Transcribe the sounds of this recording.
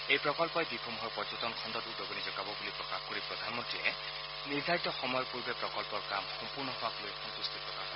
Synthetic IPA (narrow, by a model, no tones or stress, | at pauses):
ejpɹɔkɔlpɔjbipʰɔmɦɔɹpɔzɔtɔnkʰɔndɔtudobonizɔɡabɔbulipɹɔkaxkɔɹipɹɔd̪ʱanmɔntɹiɛ | niɹdʱaɹitɔxɔmɔjɔpuɹbɛpɹɔkɔlpɔɹka̰mxɔmpuɹnɔɦoaklojxɔnt̪ustitpɹɔkaxɔ